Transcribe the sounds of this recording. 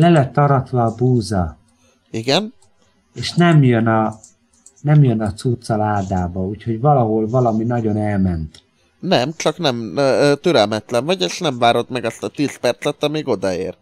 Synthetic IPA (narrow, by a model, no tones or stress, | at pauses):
lɛlɛt̪ːɒɾɒt̪vɒːbuːzɒ | iɡɛn | eːʃnɛmjønɒ | nɛmjønɒt̪sut̪sɒlaːd̪aːbɒuːcho̞ɟvɒlɒɦo̞lvɒlɒminɒɟo̞nɛlmɛnt̪ | nɛmt͡ʃɒknɛmt̪øɾɛlmɛt̪lɛɱvɒɟeːʃnɛɱvaːɾo̞t̪mɛɡɒst̪ɒt̪iːspɛrt̪sɛt̪ɒmiːɡo̞d̪ɒeːr